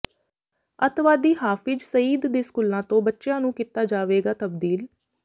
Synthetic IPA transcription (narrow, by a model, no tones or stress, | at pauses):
ət̪ʰʋaːd̪iːɦaːfɪd͡ʒsəiːd̪d̪ẽːskuːlãːt̪õːbətːʃjãːnũːkiːt̪aːd͡ʒaːʋeːɡaːt̪əbd̪iːl